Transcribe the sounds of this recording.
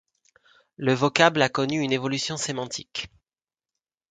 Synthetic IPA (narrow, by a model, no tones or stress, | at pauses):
ləvɔkablakɔnyynevɔlysjɔ̃semɑ̃t̪ʰik